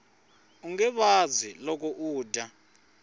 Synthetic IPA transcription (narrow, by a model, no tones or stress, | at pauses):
uŋɛɓazilɔk̬ʼɔʔuːdʱa